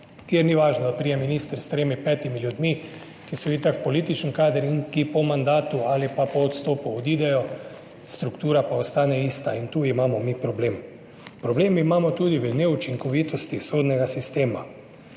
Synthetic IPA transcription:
k̪jɛɾniʋaːʒnɔd̪apɾiːjɛminist̪əɾst̪ɾeːmipɛːt̪imiljud̪mi | kisɔblit̪akpɔliːt̪it͡ʃənkaːd̪əɾinkipɔmand̪aːt̪uaːlipapɔːt̪st̪oːpuɔd̪id̪ɛjɔ | st̪ɾukt̪uːɾapaɔst̪aːnɛiːst̪aint̪uːimaːmɔmipɾɔbleːm | pɾɔbleːmimaːmɔt̪uːd̪iʋənɛut͡ʃiŋkɔʋiːt̪ɔst̪isoːd̪nɛɡasist̪eːma

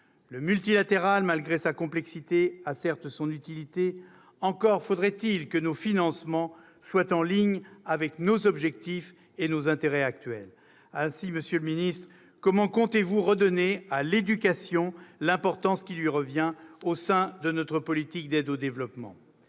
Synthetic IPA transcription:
ləmylt̪ilat̪eʁalmalɡʁesakɔ̃plɛksit̪easɛʁt̪əsɔ̃nyt̪ilit̪e | ɑ̃kɔʁfod̪ʁɛt̪ilkənofinɑ̃smɑ̃ | swat̪ɑ̃liɲavɛknozɔbʒɛk̚t̪if | enozɛ̃t̪eʁɛak̚t̪ɥɛ̰l | ɛ̃siməsjøləminist̪χə | kɔmɑ̃kɔ̃t̪evuʁəd̪ɔnealed̪ykasjɔ̃lɛ̃pɔʁt̪ɑ̃skʲilɥiʁəvjɛ̃osɛ̃d̪ənɔt̪χəpɔlit̪ik̚d̪ɛd̪od̪evlɔpmɑ̰̃

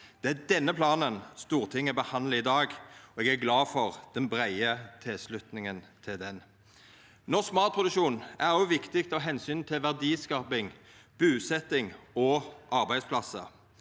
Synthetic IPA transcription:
d̪̥ɛæd̪ɛnːəpʰlɑːnənst̪uːʁt̪ʰɪŋːəbəhɑnləɪd̪ɑːɡɔɛɡæɡlɑːfɔʁd̪̥ɛnbʁæɪət̪ʰɪlslʉt̪nɪŋənt̪ʰɪld̪ɛn | nɔskmɑːt̪̚pʰʁʊd̪ʉkʃuːnʔæʁɔʊʋɪkt̪ɪk̚t̪ɔɦɛnsyːnt̪ʰɪlʋæʁd̪iːskɑːpɪŋ | b̥ʉːsɛt̪ːɪŋɔʔɑʁbæɪd̪spʰlɑsə̰

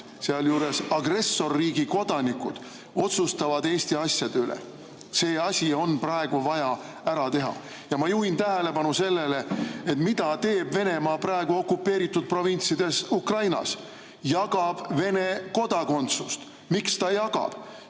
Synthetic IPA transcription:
seɑljuːɾe̞sɑɡre̞sːo̞rːiːɡiko̞d̪̥ɑnikud̪̥ | o̞t̪sust̪ɑvɑd̪e̞ːst̪iɑsʲjɑd̪̥eylḛ | se̞ːɑsʲio̞nprɑe̞ɡ̥uvɑjɑ | æɾɑt̪e̞ɦɑ̰ | jɑmɑjuːint̪æɦele̞bɑnuse̞lːe̞le̞et̪mid̪̥ɑt̪e̞ːbve̞ne̞mɑːprɑe̞ɡ̥uo̞kːupːe̞ːɾit̪ːud̪̥̚pro̞vinʲt̪sid̪̥e̞sukrɑjnɑ̰s | jɑɡ̥ɑb̥ve̞ne̞ko̞d̪ɑko̞nt̪sust̪ | mikst̪ɑjɑɡ̥ɑ̰b̥

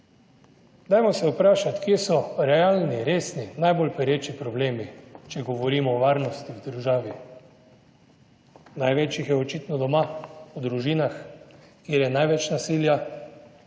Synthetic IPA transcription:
d̪ajmɔsɛupɾaːʃat̪kjesɔɾɛaːlniɾeːsninajbolpɛɾeːt͡ʃipɾɔbleːmit͡ʃɛɡɔʋɔɾiːmɔːʋaːɾnɔst̪iwd̪əɾʒaːʋi | najʋet͡ʃjixjɛɔt͡ʃit̪nɔd̪ɔmaud̪ɾuʒiːnaxkjeːɾjɛnajʋɛt͡ʃnasiːlja

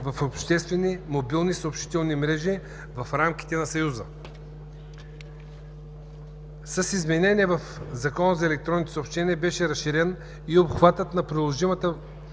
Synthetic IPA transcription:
vɐfopʃt̪ɛst̪vɛnimobilˠnisɐopʃt̪i̥t̪ɛlˠnimɾɛʒi | vɐfɾamki̥t̪ɛnɐsɐjuzə | sɐsizmɛnɛnʲiɛvɐfzɐkɔnəzɐɛlɛk̚t̪ɾɔnit̪o̥sopʃt̪ɛniɛbɛʃɛɾɐsʃːiɾɛn | iopxvat̪ət̪nɐpɾilˠoʒimət̪ə

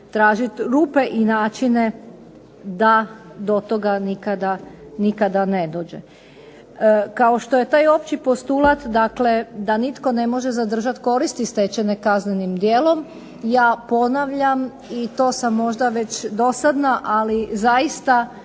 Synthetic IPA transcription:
t̪ɾaːʒit̪ɾuːpe̞ʔinaːt͡ʃine | d̪ad̪o̞t̪o̞ɡanikad̪anikad̪ane̞d̪o̞ːd͡ʑḛ | kaoʃt̪oje̞t̪aːjo̞pt͡ɕipo̞st̪ulˠat̪d̪akled̪anit̪ko̞ne̞mo̞ʒezad̪r̩ʒat̪ko̞ɾist̪ist̪e̞t͡ɕe̞nekaznenimd̪jeːlo̞m | jaːpo̞naʋʎam | it̪o̞ːsamːo̞ʒd̪aʋe̞t͡ɕd̪o̞sad̪naʔalizaist̪a

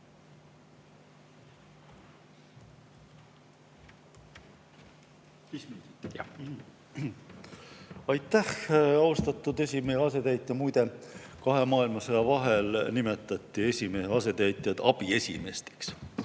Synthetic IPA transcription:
ɑjt̪ːˑæhɑwst̪ɑt̪ːˑud̪e̞s̬ʲimeeɑs̬e̞t̪æjt̪ːjɑmujd̪e̞kɑɦe̞mɑːilmɑsejɑvɑɦe̞lnime̞t̪ːˑɑt̪ˑːie̞sʲimeheɑse̞t̪æjt̪ˑjɑd̪̥ɑbie̞sʲime̞st̪e̥ks

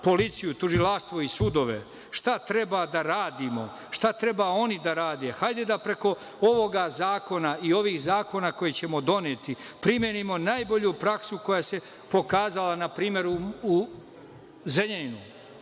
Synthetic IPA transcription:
po̞lit̪sijut̪uʒilaʂt̪ʋo̞isud̪o̞ʋe̞̰ | ʃt̪at̪ɾe̞bad̪aɾaːd̪imo̞̰ | ʃt̪at̪ɾe̞bao̞nid̪aɾaːd̪e̞xajd̪e̞d̪apɾe̞ko̞ | oʋo̞ɡazaːko̞naio̞ʋiːxzaːko̞nako̞jet͡ɕe̞mo̞d̪o̞neːt̪ipɾimjenimo̞najbo̞ʎupɾaksuko̞jase̞ | po̞kaːzalanapɾiːme̞ɾuu | zeʎeninu

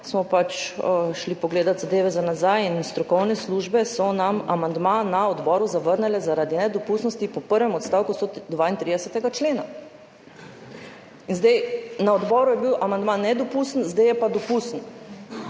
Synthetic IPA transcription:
smɔpat͡ʃəʃlipɔɡleːd̪at̪zad̪eːʋɛzanazajinst̪ɾɔkɔwnɛsluːʒbɛsɔnamamand̪manaɔd̪bɔːɾuzaʋəɾnɛlɛzaɾad̪inɛd̪ɔpuːsnɔst̪ipɔpəɾʋɛmɔt̪st̪aːwkust̪ɔd̪ʋaint̪ɾiːd̪ɛsɛt̪ɛɡat͡ʃleːna | inzd̪ajnaɔd̪bɔɾujɛbiwʔamand̪manːɛd̪ɔpust̪nzd̪ajɛpad̪ɔpusn

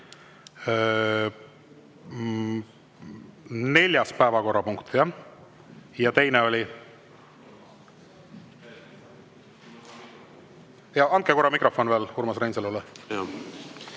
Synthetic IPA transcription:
ne̞lʲjɑspæevɑko̞rːɑpuŋkt̪jɑ | jɑt̪e̞jneo̞lʲi | jɑɑn̚keko̞ɾɑmikro̞fo̞nve̞ːlhuɾmɑsrenselule

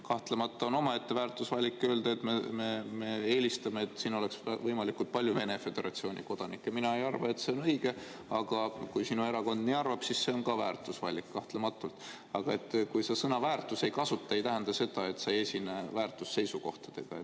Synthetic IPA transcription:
kɑht̪le̞mɑt̪ːˑɑo̞no̞mɑe̞t̪ːe̞væːrt̪ˑːusvɑlʲːikːˑø̞ːld̪̥eet̪mememe̞e̞ːlʲist̪ɑmeet̪ːsiːnole̞ksvɤjmɑlikult̪̚pɑlʲjuve̞ne̞fe̞d̪̥e̞ɾʔɑ̰t̪sio̞ːnʔḭko̞d̪̥ɑnikːˑeminɑe̞jɑrvɑe̞t̪se̞o̞nɤjɡ̥e̞ɑɡ̥ɑkujsinue̞ɾɑko̞nd̪̥niɑrvɑb̥sisse̞o̞nkɑvæːrt̪ˑusvɑlʲːikːɑht̪lemɑt̪ːˑult̪ | ɑɡ̥ɑe̞t̪ːkujse̞sɤnɑvæːrt̪ːˑuse̞jkɑsut̪ːˑɑe̞jt̪æɦend̪̥ɑse̞d̪ɑe̞t̪sɑjesinevæːrt̪ːˑusːe̞jsuko̞̰ht̪ɑ̥d̪̥e̞ɡ̥ɑ

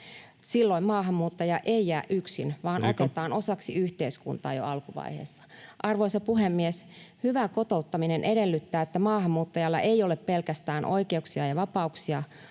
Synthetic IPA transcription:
silːoimmɑːɦɑmːuːt̪ːɑjɑʔeijæːʔʔyksinʋɑːnʔot̪et̪ɑːno̞sɑksiyht̪eiskṵnt̪ɑ̰ːjo̰ɑlkuʋɑ̰ihḛːsːɑ̥ʔɑrʋoisɑpuɦemːieshyʋækot̪out̪ːɑminenʔeɾelːyt̪ːæːet̪ːæmɑːhɑmːuːt̪ːɑjɑlːɑ̰ʔeijoleppelkæst̪æːnʔo̞̰ikeuksiɑjɑʋɑpɑuksiɑ

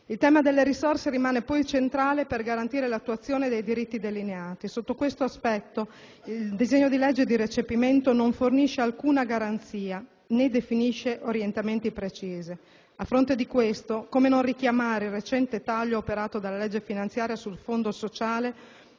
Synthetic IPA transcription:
ilt̪ɛːmad̪elːeɾisorseɾimaːnepɔjt͡ʃent̪ɾaːleperɡaɾant̪iːɾelat̪ːuat̪sːjoːned̪ejd̪iɾit̪ːid̪elineaːt̪isot̪ːokwest̪oaspɛt̪ːo | illd̪izeɲːod̪ilɛd͡ʒːed̪iɾet͡ʃepiment̪onoɱforniʃealkuːnaɡaɾant̪siːa | ned̪efiniʃeʔoɾjent̪ament̪ipɾet͡ʃiːze | afːɾont̪ed̪ikwest̪okomenonrik̟jamaːɾeilrːet͡ʃɛnt̪et̪aʎːoːpeɾaːt̪od̪alːalɛd͡ʒːefinant̪sjaːɾjasulfond̪osot͡ʃaːle

